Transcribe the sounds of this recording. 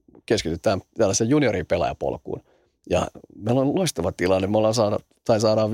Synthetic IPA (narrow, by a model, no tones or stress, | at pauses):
keskit̪yt̪æːmt̪ælːæsejjunioɾiːmpelɑ̰jɑ̰po̰lkṵːn | jɑ̰meˑlonloist̪ɑʋɑt̪ilɑnːemmolːɑːnsɑːnɑ̰ | t̪ɑisɑːɾɑ